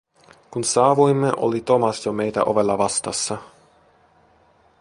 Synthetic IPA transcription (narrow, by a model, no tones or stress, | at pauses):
kunsɑːʋujmːeʔo̰lit̪o̞mɑsjomejt̪æ̰ʔoʋelːɑʋɑst̪ɑsːɑ